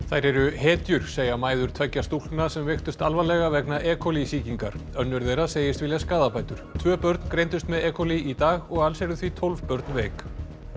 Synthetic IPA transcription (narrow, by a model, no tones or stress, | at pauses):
θajɾɛɾʏhɛːt̪jʏɾ̥seːjamaːjðʏɾ̥t̪ʰvɛcːast̪ul̥nasɛmvext̪ʏst̪alvalɛɣavɛknaʔɛːkʰɔlisiːciŋka̰ɾ̥œnːʏɾðejɾaseːjɪst̪vɪljaskaːðapʰaːjt̪ʏɾ̥t̪ʰvœːpœɾt̪nkɾejnt̪ʏst̪mɛðɛːkʰɔliit̪aːɣɔɣalsɛɾʏθvit̪ʰɔlv̥pœɾt̪nvɛːk